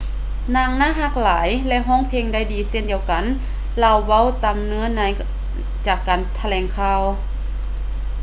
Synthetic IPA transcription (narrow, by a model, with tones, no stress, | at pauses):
naː˧˨ŋnaː˧˥˨ɦa˧˩k̚laː˨˦jlɛ˧ʔɦɔː˧˥˨ŋpʰe˧ŋda˧˩˨jdiː˨se˧˥˨ndi˨˧˦əwka˨˦n | la˧˨wːa˧˥˨wt̪a˨mnɯ˧˥ɐnaː˧˨j | t͡ɕaː˨˩kːaː˨nt̪ʰa˧lɛː˨˩ŋkʰaː˧˨w